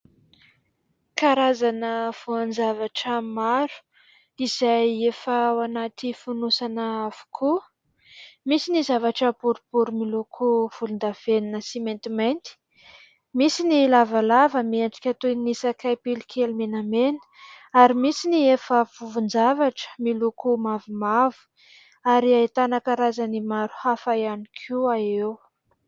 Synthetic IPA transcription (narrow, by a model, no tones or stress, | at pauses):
kaɾazanəv̥uand͡zavaʈ͡ʂəmaɾu̥ | iz̥ajefəwanat̪ifunusanəavu̥kʰu | misinizavaʈ͡ʂəpuɾubuɾumilukʰuv̥ulund̪av̥eninəsiment̪imejnt̪i̥ | misinilavalavəmiaɳɖ͡ʐi̥kʲat̪unisakajpilikʰelumenamenə̥ | aɾimisiniefəfuvund͡zavaʈ͡ʂə̥milukumavimavu̥ | aɾiait̪anakaɾazanimaɾu̥hafajanikʰuaew